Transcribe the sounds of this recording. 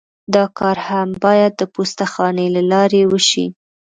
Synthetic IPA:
d̪ɑkɑɾhambɑjad̪̚ːəpost̪axɑnelalɑɾewəʃḭ

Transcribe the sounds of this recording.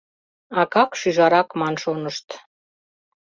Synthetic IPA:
ɑkɑkʃyʒɑɾɑkmɑnʃonəʃt̪

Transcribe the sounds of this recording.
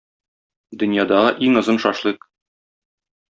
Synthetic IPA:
d̪ɵ̆njɑd̪ɑʁɤʔiŋɤ̆zɤnʃɒʃlˠɤq

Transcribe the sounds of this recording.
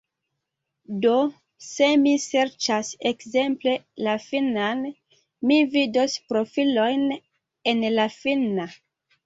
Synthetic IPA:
do̞ | se̞mise̞ɾt͡ʃasekze̞mple̞lafinan | mividospɾo̞filo̞jn | e̞nlafina

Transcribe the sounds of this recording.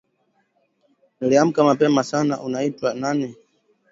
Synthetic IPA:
nliam̩kamapɛmasanaʔunaitwananɛ

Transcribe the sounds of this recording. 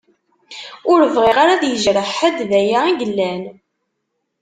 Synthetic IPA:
ʊɾəvʁiʁaɾaðjəʒɾəħəd̪ðæjaiʝəlːæn

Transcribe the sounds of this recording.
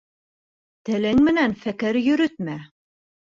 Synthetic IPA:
t̪ɘ̆lɘŋmɘ̆nænfækɘɾjɵ̆ɾɵt̪̚mæ

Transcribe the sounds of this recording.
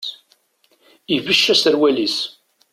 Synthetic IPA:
ivəʃːæsəɾwælis

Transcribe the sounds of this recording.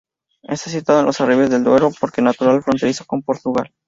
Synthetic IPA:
e̞st̪as̬it̪waðenlʔo̞sariβe̞zðe̞ld̪we̞ɾopo̞ɾkenat̪uɾalfɾont̪e̞ɾisako̞mpo̞ɾt̪uɣal

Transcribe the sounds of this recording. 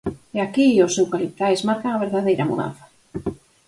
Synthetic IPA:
eakiosewkalip̚t̪ajzmaɾkaŋɐβ̞eɾðaðejɾamṵða̰nθḁ

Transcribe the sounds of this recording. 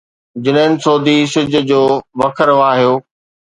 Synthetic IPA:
d͡ʑɪnɦɪnɪ̆soːd̪ʱisɪd͡ʑʱʊ̆d͡ʑoːʋɐkʰəɾʋaːɦijoː

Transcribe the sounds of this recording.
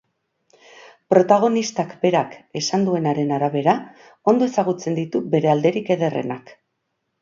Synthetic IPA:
pɾo̞t̪aɣ̞o̞nist̪akbe̞ɾake̞sand̪ue̞naɾe̞naɾaβe̞ɾa | o̞nd̪o̞e̞saɣ̞ut͡se̞nd̪it̪ube̞ɾe̞ald̪e̞ɾike̞ðe̞re̞̰nak

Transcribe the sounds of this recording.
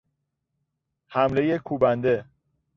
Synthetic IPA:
hæmle̞jekʰuːbænd̪e

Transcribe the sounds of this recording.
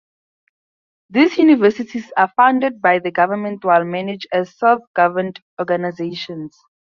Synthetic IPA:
d̪iːsjunivɛsitʰizafãʊ̃ndəd̚bajðəɡavəmɛ̃ntwaɪlmɛnɪd͡ʒɛzsalθɡ̥avə̃nt | ɔɡanajzeʃɔ̃ns

